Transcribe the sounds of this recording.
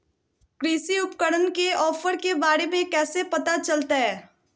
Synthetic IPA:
kɾiːsiʊpkəɽənkeɔːfəɾkebaːɾemẽkɛːsepɐt̪at͡ʃɐlt̪aɦɛː

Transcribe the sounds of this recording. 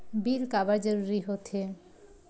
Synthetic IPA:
biɾkabaɾd͡ʑoɾuɾiɦot̪ʰe

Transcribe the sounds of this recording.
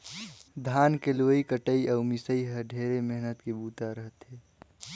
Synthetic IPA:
d̪ʱaːnkeloikəʈəiəːmɪsəiɦəɖʱeːɾemeɦnət̪kebuːt̪aɾəɦət̪ɦeː

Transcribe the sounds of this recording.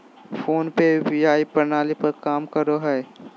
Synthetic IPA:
fʰoːnpebijaːipɐɾnaːlipɐɾkaːmkəɾoɦɛː

